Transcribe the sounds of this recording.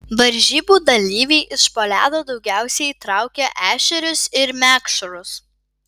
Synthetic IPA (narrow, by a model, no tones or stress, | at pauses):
ʋɐɾʲʒʲiːbuːd̪ɐlʲiːʋʲeɪʔɪʃpoːlʲæːd̪oːd̪ɒʊɡʲæˑʊsʲɛɪiːt̪ɾɑˑʊkʲɛʔæːʃʲɛɾʲʊsɪɾmʲæːkʃʊɾʊs